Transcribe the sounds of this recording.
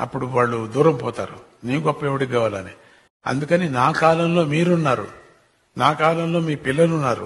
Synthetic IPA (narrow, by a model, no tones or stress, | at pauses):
ɐ̰pːuɽuʋaːɭːud̪uːɾɐmpɔːt̪a̰ːɾu | neːɡɔpːɐeʋɐɽiɡaːʋaːlani | ɐ̰nd̪ukɐninaːkaːlɐmlo̞ːmiːɾunːaːɾṵ | naːkaːlɐmlo̞ːmiːpilːɐlunːaːɾṵ